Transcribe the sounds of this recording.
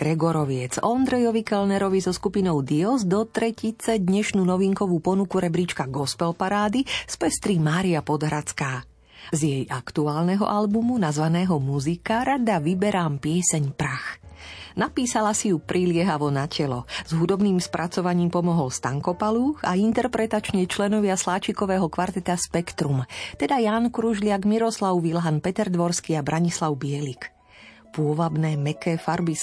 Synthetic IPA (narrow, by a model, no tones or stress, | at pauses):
ɡ̥ɾɛɡɔɾɔʋɪɛt͡sɔnd̪ɾɛjɔʋikɛlnɛɾɔʋizɔskupinɔʊd̪iɔzd̪ɔt̪ɾɛcit͡sɛd̪ɲɛʃnunɔʋiŋkɔʋuːpɔnukuɾɛbɾit͡ʃkaɡɔspɛlpaɾaːd̪ispɛst̪ɾimaːɾiapɔd̪ɦɾat͡skaː | zjɛjakt̪uaːlnɛɦɔ̰ʔalbumunazʋanɛːɦɔmuzikaɾad̪aʋibɛɾaːmpɪɛsɛɲpɾaxnapiːsalasijupɾʔilɪɛɦaʋɔnacɛlɔz̥ɦud̪ɔbniːmspɾʔat͡sɔʋaɲiːmpɔmɔɦɔlst̪aŋkɔpaluxaint̪ɛɾpɾɛt̪at͡ʃɲɛt͡ʃlɛnɔʋɪaslaːt͡ʃikɔʋɛːɦɔkʋaɾt̪ɛt̪aspɛkt̪ɾumt̪ɛd̪ajaːnkɾuʒlɪaɡmiɾɔslaʊʋilɦanpɛt̪ɛɾd̪ʋɔɾskiabɾaɲislawbɪɛlik | pʊɔʋabnɛːmɛkɛːfaɾbi